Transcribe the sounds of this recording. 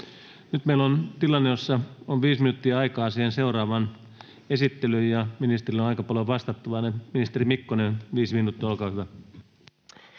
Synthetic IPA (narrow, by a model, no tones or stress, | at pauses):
nyt̪meilont̪ilɑnːejosːɑonʋiːsminut̪ːiæɑikɑːsiːhenseurɑːʋɑn | esit̪ːelyjjɑminist̪erionɑikɑpɑloʋɑst̪ɑt̪ːuʋɑneminist̪erimikːonenʋiːsminut̪ːiæolkɑːhyʋæ